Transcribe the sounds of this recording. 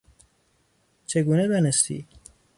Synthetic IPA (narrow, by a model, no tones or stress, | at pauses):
t͡ʃʰeɡuːnebenest̪ḭː